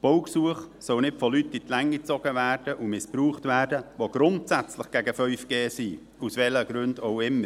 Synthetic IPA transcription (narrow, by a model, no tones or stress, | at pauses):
b̥ɔwksuəχsɔwnɪtfɔlytːitlɛŋːit͡sɔɡ̥əvæːrd̥əʔumɪspɾuːχtvæːrdəʋoɡ̥ɾʊntsæt͡slɪχɡ̥ɛɡəfœʏfɡ̥eːsiː | usʋɛləɡ̥ɾʏndoʊɪmːəɾ